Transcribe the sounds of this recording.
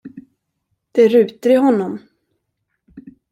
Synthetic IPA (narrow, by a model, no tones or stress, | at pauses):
d̪̥ɛɾʉ̟ːt̪əɾɪɦɔnːɔm